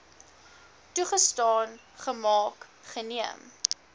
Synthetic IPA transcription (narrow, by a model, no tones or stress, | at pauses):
tuχəstɑːn | χəmɑːkχəniəm